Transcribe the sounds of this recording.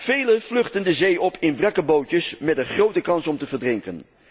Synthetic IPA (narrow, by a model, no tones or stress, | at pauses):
v̥ejlənv̥lɵχtəndəzejʔɔpʰɪnbrɑkəbowcəsmɛtəχrowtəkɑnsɔmtəvəɹdrɪŋkən